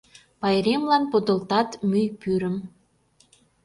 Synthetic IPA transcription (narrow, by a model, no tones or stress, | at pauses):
pɑjɾemlɑnpod̪ŏlt̪ɑt̪myjpyɾəm